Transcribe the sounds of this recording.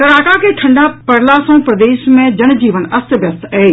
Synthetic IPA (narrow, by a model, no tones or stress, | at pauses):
kɐɾaːkakʰeʈʰɐ̃ɳɖaːpɐɽ̤lasõːpɾɐd̪eːʃmẽd͡ʒɐñd͡ʑiːʋənɐst̪bjɐst̪ɛː